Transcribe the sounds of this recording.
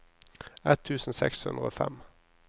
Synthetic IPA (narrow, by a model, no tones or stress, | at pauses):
ɛt̪ʰːʉːsn̩sɛkshʉnd̪ʁəoːfɛm